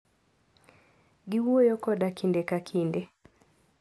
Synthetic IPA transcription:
ɡɪwojɔkɔdakʰindekakʰinde

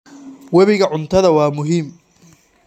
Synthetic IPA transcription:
wɛβɪɣɐʕʊnt̪ʰɐðɐwɑːmʊɦiːm

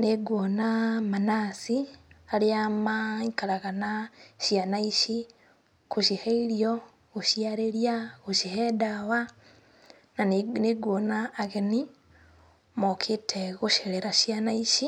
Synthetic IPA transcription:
neɡwonamanasialeamaikaɾaɣanaʃjanaiʃi | kuʃiheiɾjo | ɣuʃiaɾeɾijaɣuʃihedawa | naneɡwonaːɣeni | mokʰitʰeɣuʃeɾeɾaʃjanaiʃi

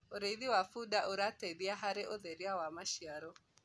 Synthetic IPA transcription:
oɾeiðiwafuɗaʔoɾateðiaɦaɾeʔoðeɾiawamaʃiaɾɔ

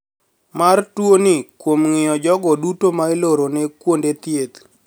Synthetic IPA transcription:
martwonɪkwomŋɪjɔd͡ʒɔɡɔdutomaɪloɾonekwondet̪jet̪

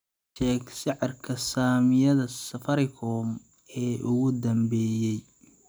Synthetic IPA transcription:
ʃɛːɡsɪʕɑrkʰɐsaːmɪjɐðɐsɐfɐɾɪkʰɔːm | ɛːʔʊɣʊd̪ɐmbɛːjɛj

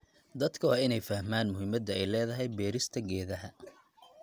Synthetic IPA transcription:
d̪ɐd̪kʰɐwɑːɪnɛjfɐhmaːnmʊɦɪmɐd̪ɐɛjlɛːðɐɦɛjbɛːɾɪst̪ʰɐɡɛːðɐɦɐ

